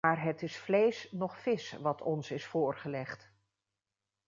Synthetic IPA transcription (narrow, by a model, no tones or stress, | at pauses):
aːɹɦətɪsflejsnɔχfɪsʋɑtʰɔ̰nsɪsfʊːɹχəlɛχt